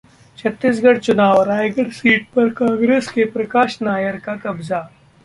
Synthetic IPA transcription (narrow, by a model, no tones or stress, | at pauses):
t͡ʃʰɐt̪ːis̬ɡɐɽt͡ʃʊnaːʋɾaːjɡəɽsiːʈ̚pɐɾkãːŋɡɾeːskepɾɐkaːʃnaːjəɾkakɐbza